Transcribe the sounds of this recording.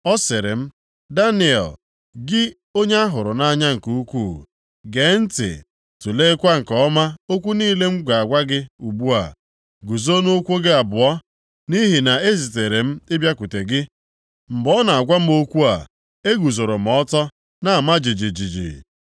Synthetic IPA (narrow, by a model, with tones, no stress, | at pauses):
ɔ˦sɪ˨ɾɪ̰˨m̩˦ | da˦nɪ˨ɛ̰˨l | ɡɪ˦ | o˦ɲe˦a˦ɦʊ˨ɾʊ˨na˦ɲa˦ŋ̩˨ku˦u˦kʷu˦˨ | ɡe˨n̩˦tɪ̰˨ | tu˨le˦kʷa˦ŋ̩˨kɔ˦ma˦o˦kʷu˦niː˦le˦ŋ͡m̩˦ɡʷa˨a˨ɡʷa˦ɡɪ˦u˨bu˦a̰˨ | ɡu˨zo˦no˦kʷo˦ɡɪ˦a˨bʊ˨ɔ˦ | ni˦ɦi˨na˨e˦zi˨te˨ɾe˨m̩˦ɪ˦bja˦ku˨te˨ɡɪ˦ | m̩˨bɔ˦na˨a˨ɡʷa˦m̩˦o˦kʷu˦a̰˨ | e˦ɡu˨zo˨ɾo˨m̩˨ɔ˦tɔ˦ | na˨a˨ma˦d͡ʒi˨d͡ʒi˨d͡ʒi˨d͡ʒḭ˨